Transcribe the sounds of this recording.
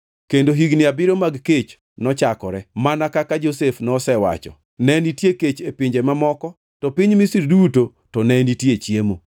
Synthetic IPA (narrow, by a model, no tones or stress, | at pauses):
kendoɦiɡnɪabɪɾomaɡket͡ʃ | nɔt͡ʃakɔɾɛmanakakad͡ʒosefnɔsɛwa̰t͡ʃɔ̰ | nɛnitjeket͡ʃepiɲd͡ʒemamɔkɔ | tɔpiɲmisiɾduto | tɔnɛnitjet͡ʃjemo